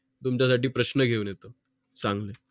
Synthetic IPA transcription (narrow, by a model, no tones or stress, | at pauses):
t̪umt͡ɕas̬aʈiːpɾəɕnəɡʱeunjet̪o | sãŋɡle